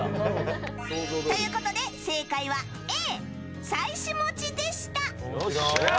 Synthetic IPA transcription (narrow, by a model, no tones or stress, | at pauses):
t̪o̞jɯ̟ːko̞t̪o̞d̪e̞se̞ːkaiβa | eː | saiɕimo̞t͡ɕid̪e̞ɕi̥t̪a